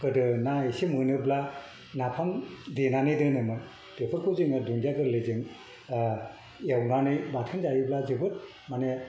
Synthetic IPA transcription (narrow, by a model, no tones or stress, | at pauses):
kɯdɯnaesimɯnɯbla | napʰamdenanɯjdɯnɯmɯ | d̥epʰɯɾkʰɯzɯŋɯduŋɡjaɡɯɾlɯzɯŋ | jawnanɯjbatʰɯnzajiblazɯbɯt̚ | mane